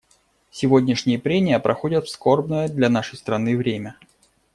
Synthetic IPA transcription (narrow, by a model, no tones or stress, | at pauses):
sʲɪvo̞dʲnʲɪʂnʲɪjəpɾʲemʲɪjəpɾʔɐxo̞dʲət̪fskorbnəjəd̪lʲɐnaʂəjst̪ɾɐnɨvɾʲemʲə